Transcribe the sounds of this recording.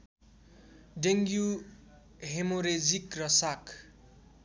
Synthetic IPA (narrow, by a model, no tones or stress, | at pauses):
ɖeŋɡju | ɦemoɾed͡zikrʌsak